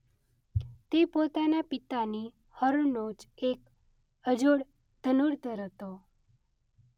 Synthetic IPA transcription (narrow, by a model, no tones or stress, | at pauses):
t̪epot̪anapɪt̪ani | həɾonot͡ʃek | əd͡ʒoɽ | d̪ʱənuɽt̪əɾɦət̪o